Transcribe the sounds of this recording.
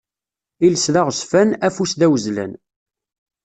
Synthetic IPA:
iləsðaʁsfænæfusðæwəzlæ̰n

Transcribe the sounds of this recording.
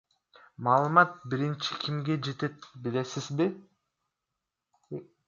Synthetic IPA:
mɑːlˠɯmɑt̪̚biɾint͡ʃi̥kʲʰimɡed͡ʒe̞t̪e̞t̪bilesizbi

